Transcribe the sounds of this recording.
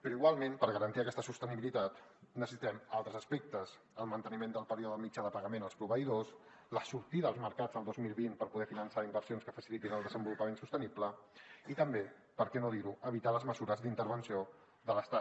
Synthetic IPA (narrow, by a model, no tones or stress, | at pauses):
pəɾɔoiɣwalˠmenpəɾɣəɾənt̪iəkɛst̪əsust̪əniβilit̪at̪nəssi̥t̪ɛmalˠt̪ɾəzəspek̚t̪əz | əlˠmənt̪ənimend̪əlˠpəɾioðəðəlˠmid͡ʒaðəpəɣəmenəlˠspɾuβəiðos | ləsuɾt̪iðəəlˠzməɾkad͡zðəlˠd̪ozmilˠβinpəɾpuðɛfinənsaimbəɾsionskəfəsilit̪inəlˠd̪əzəmbulupəmensust̪ənipləit̪əmbe | pəɾkɛnoðiɾuʔəβ̞it̪aləzməzuɾəzd̪int̪əɾβənsio | ðələst̪a